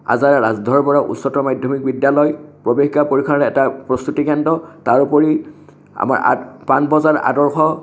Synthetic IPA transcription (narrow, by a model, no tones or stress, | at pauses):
a̰zaɹɹazdʱɔɹpɔɹaʔṵtsɔtɔmajdʱjɔmik̚bidjalɔjpɹɔbekʰkapoɹikʰaɛɛtapɹɔst̪utikɛndɔtaɹupɔɹi | a̰ma̰ɹa̰panbɔzaɹʔa̰dɔɹxʰɔ